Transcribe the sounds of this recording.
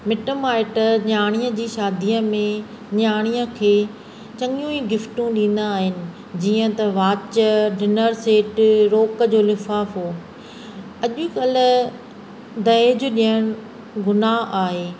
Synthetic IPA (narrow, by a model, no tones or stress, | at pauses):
mɪʈəmaːɪʈəɲaːɽ̃ijə̃d͡ʑiːʃaːd̪ʱiəmẽ | ɲaːɽ̃iə̃kʰeː | t͡ɕɐŋjũiɡɪfʈũɗĩːn̆d̪aːɦɪnɪ̆ | d͡ʑiːə̃t̪ɐʋaːt͡ɕəɖʱɪnəɾseːʈɾoːkəd͡ʑoːlɪfaːfɦoː | ɐʄʊkɐl | d̪ɐed͡ʑʊ̆ɗiəɽ̃ʊ | ɡʊnaɦaːɦeː